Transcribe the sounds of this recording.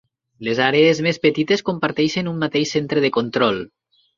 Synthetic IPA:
lezaɾeezmespet̪it̪eskompaɾt̪eʃenumːat̪eʃsent̪ɾeðekont̪ɾɔlˠ

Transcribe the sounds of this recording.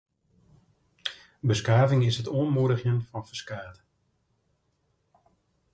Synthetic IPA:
bəskaːvɪŋɪsɦətoənmuəɾəxjənfɑnfəskaːt

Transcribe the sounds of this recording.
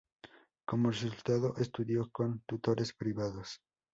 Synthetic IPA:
ko̞moresult̪aðoʔest̪uðjo̞ko̞nt̪ut̪o̞ɾʔespɾiβaðos

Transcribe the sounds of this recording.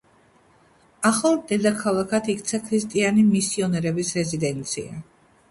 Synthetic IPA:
aχalˠd̪ɛd̪akʰalˠakʰat̪ʰikt̪sʰakʰɾist̪ʼianimisiɔnɛɾɛbisɾɛzid̪ɛnt̪sʰḭa̰

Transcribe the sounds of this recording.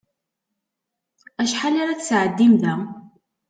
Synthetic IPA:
æʃħalaɾaθsʕəd̪ːimðæ

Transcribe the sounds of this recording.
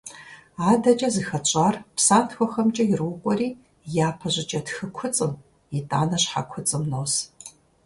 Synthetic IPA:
aːdɐt͡ʃʼɐzɨxɐt͡ɕʼaːrpʰsaːntʰxʷɔxɐmt͡ʃʼɐjɪrwʊqʷʼɔriː | jaːpʰɐʑʷɪt͡ʃʼɐtxɨkʷʰʊt͡sʼɨm | itʼaːnɐɕħa̰kʷʰʊt͡sʼɨmnows

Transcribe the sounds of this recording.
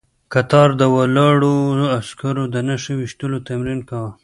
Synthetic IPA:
kat̪ɑɾd̪əwalɑɽoaskaɾod̪ənaʃawɪʃt̪əlot̪amɾinkawa

